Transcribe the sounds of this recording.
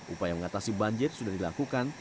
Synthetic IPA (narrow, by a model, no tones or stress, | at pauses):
ʔupajaməŋat̪asibaɲd͡ʒɪrsudahdilakukan